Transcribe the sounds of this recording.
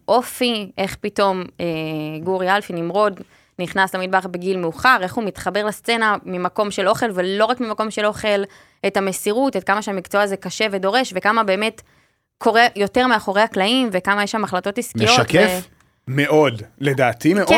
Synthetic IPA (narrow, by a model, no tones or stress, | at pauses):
ʔo̞fiʔe̞χpito̞meɡuʁjalfinimʁo̞d | niχnaslamid̚baχbeɡilmeuχaʁe̞χhumit̪χabe̞ʁlast͡se̞namimako̞mʃelo̞χe̞lvelo̞ʁakmimako̞mʃe̞lo̞χe̞l | ethamesiʁutet̚kamaʃeamikt͡soazekaʃe̞ve̞do̞ʁe̞ʃvekamabe̞ːme̞t | kʰo̞ʁe̞jo̞teʁmeaχo̞ʁe̞haklaimve̞kamajeʃamaχlato̞tiskmiejoʃtakef | meʔo̞dledaːt̪ie